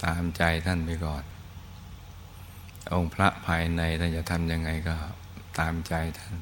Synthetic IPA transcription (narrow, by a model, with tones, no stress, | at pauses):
t̪aː˧mt͡ɕa˧jt̪ʰa˥˩npa˧jkɔː˨˩n | ʔo˧ŋpʰɾa˦˥ʔpʰaː˧jna˧jt̪ʰa˥˩nt͡ɕa˨˩ʔt̪ʰa˧mja˧ŋːa˧jkɔː˥˩ | t̪aː˧mt͡ɕa˧jt̪ʰa˥˩n